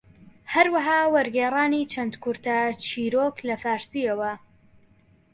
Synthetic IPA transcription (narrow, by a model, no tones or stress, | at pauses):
hɐɾwɐɦaːwɐɾɡeːrˤaːnit͡ʃʰɐnd̪kʊɾt̪ɐt͡ʃʰiːɾoːklɐfaːɾsiːɐwɐ